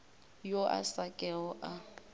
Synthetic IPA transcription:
joʔa̰sakʼɛɔʔa

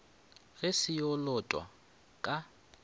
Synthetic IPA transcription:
ɣɛsɪjɔlɔtʼwa̰ | kʼa

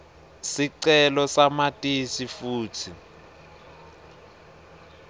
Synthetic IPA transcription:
siǀɛlɔsamatʼisifuːtʰi

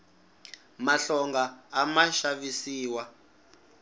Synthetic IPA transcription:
maɬɔŋɡaːmaʃavisiːwa

